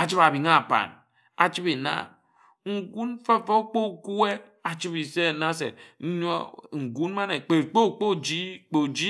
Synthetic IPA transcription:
a˨t͡ʃi˦a˨bi˨ŋa˦˨pa̰˨n | a̰˨t͡ʃi˦be˨na̰˦˨ | ŋ̩˨ɡu˦n˦fa˦fo˦k͡po˦˨ku˦e˦ | a˨t͡ʃi˦bi˨se˦˨na˦s̬ḛ˨n̩˦ɲ˦o̰˦ŋ̩˨ɡu˦n˦ma˦ne˨k͡pe˨tk͡po˦˨k͡po˦˨d͡ʒi˦k͡po˨d͡ʒi˦

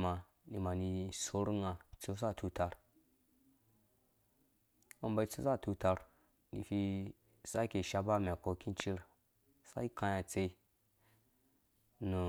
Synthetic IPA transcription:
ma˨ | ni˨ma˨ni˧so˦ɾŋa˨t͡su˦s̬a˦˨tʰu˧ta˨ɾ | o˦mba˧˦t͡su˦sa˦˨tu˧ta˧ɾ | nḭ˨fi˧ | sa˦ke˨ʃa˧ba˦mɛ˨ko˧ki˦n˦t͡ʃi˦ɾ | sa˦i˦kã˧ja˨t͡se˧˦ | nu˨

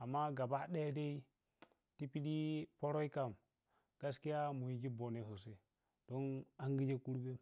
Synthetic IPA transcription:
a˨mːa˦ɡa˨ba˦ɗe˦de˦i˦ | ti˦pi˦di˦po˦ɾo˦i˦ka˨m | ɡ̥a˦ski˦ja˦mu˨ji˨ɡi˦bo˨ne˨ɦo˨s̬e˦ | d̥o˦na˦ŋɡi˦d͡ʒe˦ku˦ɾbe˦

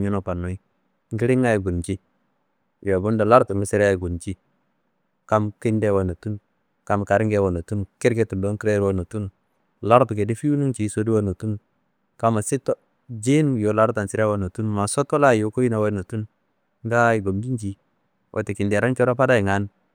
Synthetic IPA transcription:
ɲu˦no˨pa˨nːo˨i˦ | ŋ˦ɡi˦ɾi˦ŋa˦ji˨ɡu˨nt͡ʃi˦ | jo˨bu˦nda˨la˦ɾtu˨mi˨si˦ɾa˦i˨ɡu˨nt͡ʃi˦ | ka˦mki˦nde˦wo˨no˨tu˦n | ka˨m˨ka˨ɾi˦ŋɡe˦wo˨no˨tu˦n˨ke˦ɾke˦tu˨do˦ŋki˦ɾe˦ɾwo˦no˨tu˦n˨ | la˦ɾtu˨ke˨di˦fi˦u˦nu˦nt͡ʃi˨˦so˦di˦wo˦no˨tu˦n˨ | ka˨ma˨si˦to˦ | d͡ʒi˦n˦jo˨la˦ɾta˨nsi˨ɾe˦wo˦no˨tu˦n˨ma˨so˦to˦la˦jo˨ko˦ji˦na˨wo˦no˨tu˦n˦ | ŋ˦ɡa˦i˨ɡo˨mbi˦nd͡ʒi˨ | wʔo̰˨ti˨ki˨nde˨ɾa˦nt͡ʃo˦ɾa˦pa˦da˦i˨ŋa˦n˦

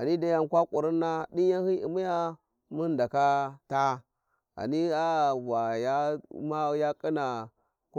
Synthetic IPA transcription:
a˨ni˦da˦ja˨nkʷa˦kʷʼu˨ɾi˦nːa˦di˦ja˦hi˦ḭ˨mi˦ja˦ | mu˦nda˨ka˦ta˦ | a̰˨ni˦a˦bʷa˨ja˦ma˦ja˦kʼi˦na˨ | k

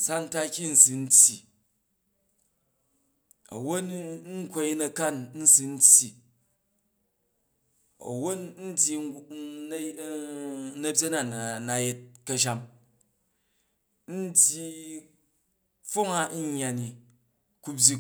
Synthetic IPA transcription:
sa˦n̩˦ta˦kʲi˦n̩˨si˨n̩˦tʲji˨ | ɐ̰˨wo˦t̩˦ŋ˦kʷo˧ji˦nɐ˨ka˦nn̩˦si˨n̩˦tʲji˨ | ɐ̰˨wo˦nn̩˦dʲji˨˦ | nɐ˨bʲje˦na˦˨na˨je˦t̚kɐ˧ʃ̬a˦m | n̩˦dʲji˦ | fo˦ŋa˦n̩˦ɲːa˨ni˨ | ku˦bʲi˦

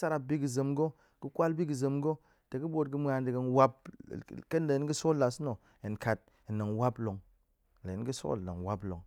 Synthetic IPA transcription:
sa˦ɾa˨bi˦ɡi˨zə˨mɡo˦ | ki˦kʷa˦lbi˦ɡi˨zə˨mɡo˦ | te˨ki˦bo˦tɡɨ˦m˦a˨ndi˨ɡə˦nwa˦pke˦n˦le˨i˦nɡi˦so˦la˨sno˨ | e˨nka˨t̚ | i˨nə˨ŋwa˦blo˨ŋ˨ | le˨i˦n˦ɡi˦so̰˦˨nə̰˨ŋ˨wa˦blo˨ŋ

